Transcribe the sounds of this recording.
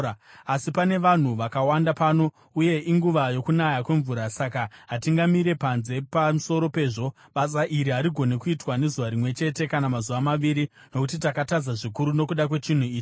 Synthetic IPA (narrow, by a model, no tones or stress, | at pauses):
asipane̞ʋan̤uʋakawandapaːno̞ | uje̞ʔiŋɡuʋajo̞kunajakwe̞ɱvuːɾasakaɦatiŋɡamiɾe̞panze̞pamuso̞ɾo̞pe̞ːʐo̞ | ɓas̬aʔiɾiɦaɾiɡʱo̞nekuitwane̞zuʋaɾimwe̞t͡ʃe̞te̞kanamazuʋamaʋiɾi | no̞kutitakatad͡zaʐikuɾuno̞kuɗakwe̞t͡ʃin̤uiːt͡ʃi